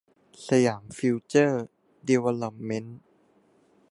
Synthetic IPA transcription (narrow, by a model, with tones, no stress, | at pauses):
sa˧jaː˩˦mfi˧˥wt͡ɕɤː˥˩ | di˧wa˧la˧p̚me˦˥n